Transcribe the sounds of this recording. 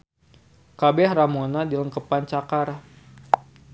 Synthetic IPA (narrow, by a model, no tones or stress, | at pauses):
kabɛhramonadiləŋkəpant͡ʃakar